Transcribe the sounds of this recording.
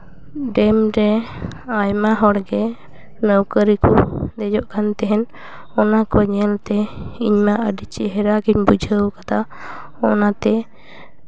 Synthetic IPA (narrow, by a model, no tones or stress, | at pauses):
ɖɛmɾɛajmaɦɔɽɡɛ | nəwkəɾikɔd̪ɛd͡ʒɔʔkʰant̪ɛɦɛn | ɔnakɔɲɛlt̪ɛiɲmaʔəɖit͡ʃiɦɛɾaɡiɲbud͡ʒʱəwkat̪ʰa | ɔnat̪ɛ